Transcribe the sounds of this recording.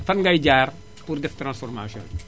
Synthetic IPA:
fɐnŋɡɐjɟaːr | puɾdɛftɾãnsfɔɾma̰ːsiɔ̰̃nn

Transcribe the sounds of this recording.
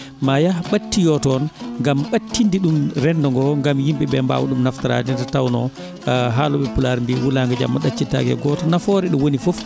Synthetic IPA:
majaɓatːijɔtɔnŋɡamɓatːindiɗumɾɛndɔŋɡɔŋɡamjimbɛbɛmba̰wṵɗumnaftaɾa̰dindatawnɔ̰ | ɦalɔɓɛpulaɾmbiwulaŋɡad͡ʒa̰mːaɗat͡ʃːita̰ɡɛ̰ɡɔtɔnafɔɾɛɗɔwonifof

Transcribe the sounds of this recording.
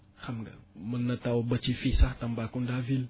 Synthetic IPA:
hamɡa̰mənːatawbət͡ʃifisatambakundavil

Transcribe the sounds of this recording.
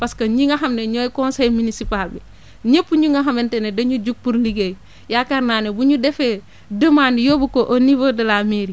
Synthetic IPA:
paskɐɲiŋɡɐɦɐmneɲɔːjkɔnsɛjminisipalbi | ɲepːuɲuŋɡɐɦɐmentenedɐɲud͡ʒuk̚puɾliɡej | jakaɾnaːnebuɲudɛfe | dəmanijobukoʔonivodɐlameɾi

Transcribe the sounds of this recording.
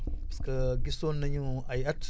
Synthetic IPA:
skəɡisonːaɲuajat

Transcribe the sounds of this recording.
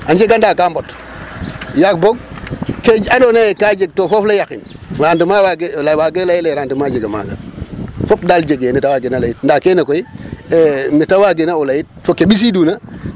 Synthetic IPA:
and͡ʒeɡandakambɔt | jak̚boɡ̚ked͡ʒadonajekad͡ʒeɡ̚tofɔflajakḭn | ɾandumawaɡelawaɡelajilaɾaːndimad͡ʒeɡama̰ɡa̰fɔp̚dald͡ʒeɡenitawaɡinalajit̚ndakenakoi | mitawaɡenaulajit̚fokebis̬iduːna

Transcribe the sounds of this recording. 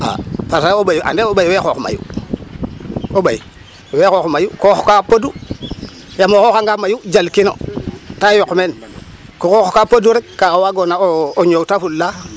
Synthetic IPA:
a̰faɾsaobajuʔa̰ndeobajwexoxuma̰jṵ | obaj̰ | wekoxumajukoxkapodu | jamokokaŋɡamajud͡ʒalkino̰tajokːmen | kokoxo̥kapoduɾikkːaawaɡonaooɲotafulːa

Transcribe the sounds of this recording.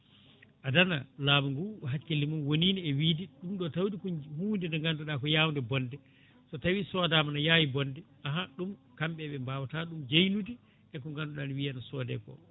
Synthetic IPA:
ʔadana̰laːmuŋɡuɦat͡ʃkelːimunwoniːniɛwiːdiɗumɗɔtawdikuhuːndindɔŋɡandɔɗakɔjawndɛbɔndɛ | tɔtawisɔdamanajaːwibɔndɛ | aɦaɗumkamɓɛɓɛmbaːwataɗumd͡ʒejnudi | ʔɛkɔŋɡanɗɔɗanwijanasɔːdɛ̰kɔ̰

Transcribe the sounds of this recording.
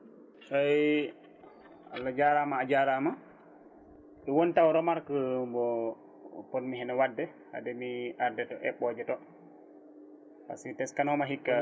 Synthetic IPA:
saj | alːad͡ʒaɾamaːd͡ʒaɾama | ɗɛwɔntawɾɔmaɾkəbɔ | pɔnmiɦɛnawadːɛ | ha̰dɛmiʔaɾdɛtɔʔɛ̰ɓɔd͡ʒɛtɔ | pa̰sitɛskanɔmaɦikːa

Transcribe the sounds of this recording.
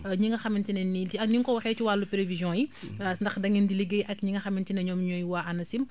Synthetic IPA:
ɲiŋɡɐxɐmintinɐniiɐniŋkɔwɐxɛːt͡ʃiwalːupelevizjɔ̃ːjisndɐxdɐŋindiliɡejʔɐkɲiŋɡɐxɐmintinɐɲɔːmɲɔjwaʔɐnɐsim

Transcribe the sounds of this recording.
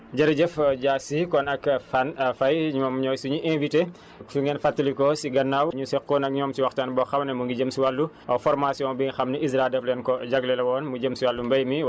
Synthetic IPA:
d͡ʒɐɾɐɟɛfɟaːsikɔnɐkfanfɐjɲumɔmɲɔːjsuɲuʔɛnvite | suŋɡɛːnfɐtːilikɔsiɡɐnːaːwɲusɛkkɔnɐk̚ɲɔːmsiwɐxtaːnbɔːxɐmnɐmuŋɡiɟəmsiwalːuʔɐwfɔrmasjɔ̃ŋbiŋxɐmnɐizɾadɛflɛːnkɔɟɐɡlɛlɐwɔːnmuɟəmsiwalːumbɐjmi

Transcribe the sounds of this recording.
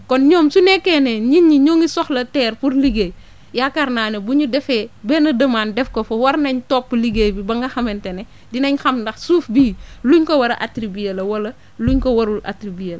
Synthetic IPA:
kɔnɲɔːmsunɛkːɛːnɛɲiɲːiɲoːŋisɔxlɐtɛːrpuɾliɡej | jakɐɾnaːnebuɲudɛfɛːbɛnɐdɐmaːndɛfkofowɐɾnɐɲtɔːpːliɡeːjbibɐŋɡɐxɐmɛntenɛ | dinɐɲxɐmdɐxsuːfbiːluɲkɔwɐɾɐʔatɾibijelɐwɐlɐ | luɲkowɐɾula̰tɾibijel

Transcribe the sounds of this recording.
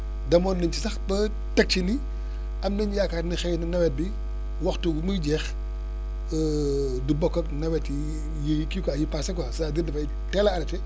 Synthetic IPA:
dɐmɔːnːɐɲt͡ʃisɐxbɐ | tɐk̚t͡ʃini | ɐmnɐɲjakaːtnixɛjnɐnɐwɛt̚bi | wɐxtuɡumujɟɛx | dubɔkːɐknɐwɛti | jikikajipaːsɐkwɐsaːdirdɐfɐj | tɛlɐɐɾɐtɛ

